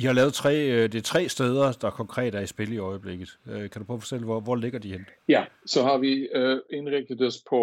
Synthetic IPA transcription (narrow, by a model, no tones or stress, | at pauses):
ihɑ̈lɛːʊð̩ˠt͡sʰʁɛ̰ːd̥e̝t͡sʰʁɛ̰ːsd̥eːð̞ˠɐd̥ɑ̈kʰɒ̽ŋkʰʁɛ̰ːd̥əæɐisb̥e̝ləiɒ̽ɪəb̥le̝ɡ̥ð̞̩ˠøkʰæd̥upʰɒ̰ːfɒ̥̽t͡sʰel̰ʋɒʋɒle̝ɡ̥ɐd̥ihenjæsɒ̽ɦɑ̈ʋie̝nʁeɡ̥̚d̥əðˠɒspʰɒ